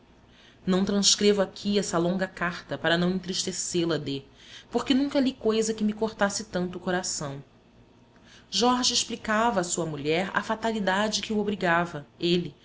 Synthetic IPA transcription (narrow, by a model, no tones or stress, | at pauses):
nɐ̃w̃t̪ɾɐ̃skɾevʊakʲʰiɛsɐlõŋɡɐkaɾt̪ɐpaɾɐnɐ̃w̃ẽt̪̬ɾiʃt̪eselɐd̪epoɾkɪnũkɐlikojzɐkɪmɪkoɾt̪asɪt̪ɐ̃nt̪ʊːkoɾasɐ̃w̃ | ʒɔɾʒiɪʃplikavɐːsuɐmuʎɛɾɐ̰fat̪alid̪ad͡ʒɪkɪuobɾiɡavɐelɪ